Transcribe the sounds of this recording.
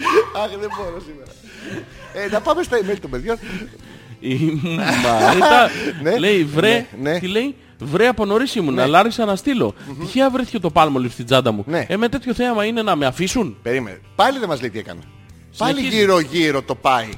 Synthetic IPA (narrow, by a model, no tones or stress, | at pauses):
ɐxðeboɾosimeɾɐ | enɐpɐmest̪ɐimelit̪ombe̞ðʝo̞n | imɐɾɾit̪ɐneleivɾenet̪ile̞j | vɾeɐpo̞no̞ɾisimunɐlɐɾisɐnɐst̪ilo̞̰t̪içeɐvɾiθi̥ce̞t̪o̞pɐlmolipst̪id͡zɐd̪ɐmuneemet̪e̞t̪ço̞θe̞ɐmɐine̞nɐme̞ɐfisunpeɾimḛnepɐliðemɐzleit̪iḛkɐ̰ne | sɐliçiʝiɾoʝiɾo̞t̪o̞pɐi